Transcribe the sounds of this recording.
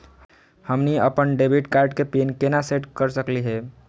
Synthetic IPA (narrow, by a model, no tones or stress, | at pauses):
həmniəpənɖebʱiʈkaɾɖkepinkenaseʈkəɾsəkliɦɛ